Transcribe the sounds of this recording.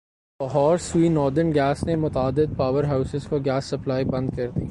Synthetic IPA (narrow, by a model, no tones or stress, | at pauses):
bɐɦɔːɾswiːnɔːɾd̪əɾnɡɛːsnemʊt̪aːd̪ːɪd̪̚paːʋəɾɦaːʊsɪzkoɡɛːsːɐplaːibɐ̃nd̪̚kɐɾt̪ḭ